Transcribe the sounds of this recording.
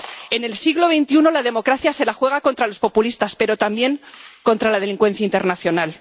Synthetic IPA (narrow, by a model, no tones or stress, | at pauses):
e̞ne̞lsiɣloβe̞jnt̪iuno̞lað̞e̞mo̞kɾaθjase̞laxwe̞ɣ̞ako̞nt̪ɾalospo̞pulist̪aspe̞ɾo̞t̪ambje̞ŋko̞nt̪ɾalað̞eliŋkwe̞n̟θjaint̪e̞ɾnaθjo̞nal